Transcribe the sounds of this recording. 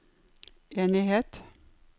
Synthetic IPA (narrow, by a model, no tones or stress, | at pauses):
ʔeːnɪheːt̪